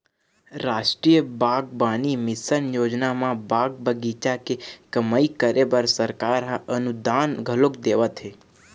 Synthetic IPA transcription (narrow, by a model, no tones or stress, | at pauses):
ɾaʃʈɾijəbaɡbanimɪsənjod͡ʒnamãbaɡ̚bəɡit͡ʃakekəməikəɾebəɾsəɾkaɾɦaʔənud̪anɡʱəlokd̪eʋat̪ʰe